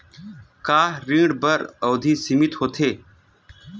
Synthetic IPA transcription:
kaːɾĩːɽbəɾoːd̪ʱiːsimɪt̪hoːt̪ʰeː

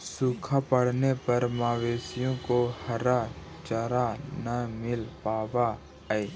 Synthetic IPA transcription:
suːkʰapəɽ̤nepɐɾmaːʋeːsijõkohɐɾa | t͡ʃəɾanɐmɪlpaːʋa | eː

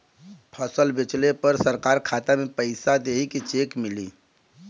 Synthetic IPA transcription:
pʰəsəlbɪt͡ʃlepəɾsəɾkaːɾkʰaːt̪amẽpəɪsad̪eːɦikit͡ʃeːkmɪliː

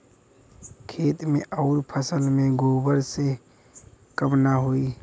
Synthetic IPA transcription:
kʰeːt̪mḛ̃ʔɔːɾpʰəsəlmẽɡoːbəɾse | kəmnaɦoːi

